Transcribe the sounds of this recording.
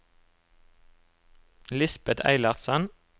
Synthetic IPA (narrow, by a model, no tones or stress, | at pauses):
lɪsbət̪ʰæ̰ɪlɑʁsən